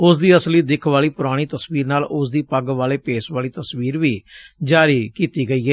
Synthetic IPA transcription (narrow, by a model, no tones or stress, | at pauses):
ʊsd̪iːəsliːd̪ɪkʰʋaːliːpʊɾaːɽ̃iːt̪əsʋiːɾnaːlʊsd̪iːpəɡʋaːleːpeːsʋaːliːt̪əsʋiːɾʋiːd͡ʒaːɾiːkiːt̪iːɡəiːɛː